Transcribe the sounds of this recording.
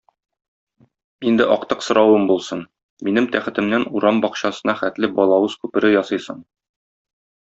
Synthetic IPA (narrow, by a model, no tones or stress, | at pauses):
ind̪ɘʔɒqt̪ɤqsŏɾɑwɤmbulˠsɤn | minɘmt̪æχɘ̆t̪ɘ̆mnænuɾɑmbɒqɕɑsɤ̆nɑχæt̪lɘbɒlˠɑwɤz̥kʉpɘ̆ɾɘjɒsɤjsɤɴ